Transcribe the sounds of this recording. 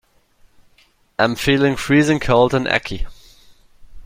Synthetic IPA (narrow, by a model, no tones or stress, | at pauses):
ãɪ̃ɱfiːlˠɪ̃ŋfɹiːzɪ̃ŋkʰoʊlˠdə̃nʔæ̰kʰi